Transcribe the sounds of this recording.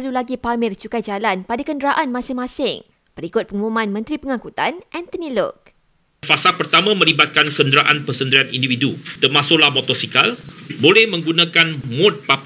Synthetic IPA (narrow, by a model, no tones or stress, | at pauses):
pərlulaɡipamɪrt͡ʃukajd͡ʒalanpadakəndɾaʔanmãsɪŋmãsɪŋ | b̥əɾikʊt̪̚pəŋumãnmə̃nt̪ɾipəŋãkut̪anʔɛ̃nt̪ənilɔ̰k̚ | fasapərt̪amãmə̃libat̪̚kankəndɾaʔanpəsənd̪ɾianḭndividut̪ərmãsʊʔlahmɔt̪ɔsikalbolɛhmə̃ŋɡunãkanmʊ̃t̪̚pap